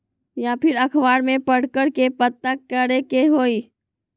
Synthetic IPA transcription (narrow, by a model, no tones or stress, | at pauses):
japʰɪɾɐkʰʋaːɽmẽpɐɽ̤kəɾkepət̪ːakkəɾekeɦoːiː